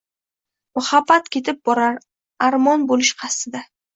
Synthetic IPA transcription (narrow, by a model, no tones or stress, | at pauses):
mʊhabːat̪kʲe̞t̪ɪp̚bɒɾaɾ | aɾmɒnbolɪʃqʰɑst̪ɪd̪a